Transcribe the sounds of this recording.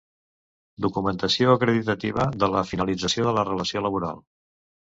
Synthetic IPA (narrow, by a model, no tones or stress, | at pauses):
d̪ukumənt̪əsioəkɾəðit̪ət̪iβ̞əðələfinəlid͡zəsioðələrələsioləβ̞uɾa̰lˠ